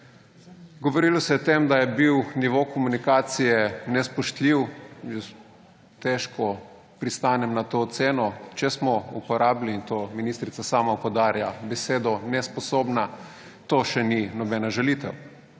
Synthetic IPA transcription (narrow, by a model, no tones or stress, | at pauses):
ɡoʋoɾilɔsɛɔt̪emd̪ajɛbiwniʋokomunikaːt̪sijɛnɛspɔʃt̪liwjɛs | t̪ɛʃkɔ | pɾist̪aːnɛmnat̪ot̪seːnɔt͡ʃɛsmɔupɔɾaːbliːnt̪oːminist̪ɾit̪sasaːmaupɔd̪aːɾjabɛseːd̪ɔnɛspɔsoːbna | t̪oːʃɛninɔbɛnaʒɛlit̪ɛw